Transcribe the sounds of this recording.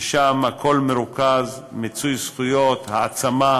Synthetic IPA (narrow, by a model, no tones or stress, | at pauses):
ʃamhakʰo̞lmeɾukazmet͡sujsχujo̞t̪haːt͡sama